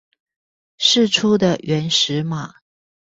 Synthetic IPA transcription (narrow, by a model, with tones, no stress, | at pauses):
ʂɻ̩˥˩ʈ͡ʂʰu˥d̪ə˨ɥɛ˧˥nʂɻ̩˧˦ma˨